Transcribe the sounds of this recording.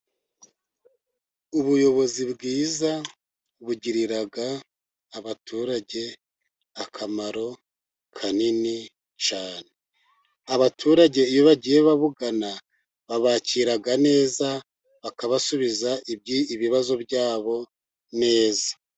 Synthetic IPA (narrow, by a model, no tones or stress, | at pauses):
uβujo̞βo̞zibɡiːza | βuɟiɾiɾaɡaː | βatʰuɾaɟe̞ | akʰamaɾo̞ | kʰanini | t͡ʃaːne | aβatʰuɾaɟe̞ijo̞βaɟije̞βaβuɡana | βaβaːciɾaɡane̞ːza | βakaβasuβizaʔib̚ɟiiβiβazo̞bɟaːβo̞ | ne̞ːzḁ